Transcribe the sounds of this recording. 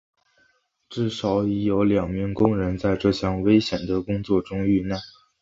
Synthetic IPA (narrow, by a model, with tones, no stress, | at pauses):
ʈ͡ʂɻ̩˥˩ʂɑ˨˩˥ʊi˧˥jo˧˥ʊljɑ˨˩ŋmi˧˥ŋkʊ˥ŋɻə˧˥nt͡sa˥˧ɪʈ͡ʂɤ˥˧ɕjɑ˥˩ŋwe˥ɪɕjɛ˨˩nd̪ə˦kʊ˥ŋt͡swɔ˥˩ʈ͡ʂʊ˥ŋy˥˧na˥˩